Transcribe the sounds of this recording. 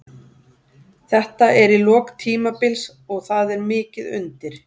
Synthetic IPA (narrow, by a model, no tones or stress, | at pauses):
θɛht̪aʔɛɾilɔːkt̪ʰiːmapɪls | ɔɣθaðɛɾmɪːcɪðʏ̰nt̪ɪɾ̥